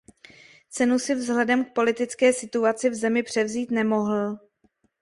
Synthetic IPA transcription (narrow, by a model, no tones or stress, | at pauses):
t͡sɛnusɪvzɦlɛdɛmk̚po̞lɪt̪ɪt͡skɛːsɪt̪uat͡sɪvzɛmɪpr̝̥ɛvziːt̪nɛmo̞ɦl̩